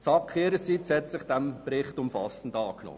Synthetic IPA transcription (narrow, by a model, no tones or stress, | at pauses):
t͡sɑkχeːɾəsitshɛtsɪχd̥æmbɾɪχtʊmfɑ̰sən̩dɑːknɔ̰